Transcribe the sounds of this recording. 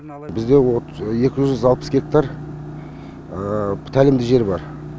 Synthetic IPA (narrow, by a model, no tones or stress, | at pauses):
bɪzd̪e̞woje̞kʲɪʒʏʒʏzɑlˠpə̥sɡʲe̞k̚t̪aɾ | t̪ʰælɪmd̪ɪʒe̞ɾbɑɾ